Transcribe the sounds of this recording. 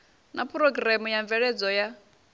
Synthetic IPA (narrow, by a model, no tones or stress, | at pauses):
napʰɾɔɡramujaɱvɛɺɛd͡zɔja